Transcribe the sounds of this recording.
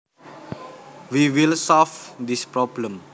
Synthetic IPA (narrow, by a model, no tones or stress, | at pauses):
wiwilsɔlfd̪ispɹɔblə̃m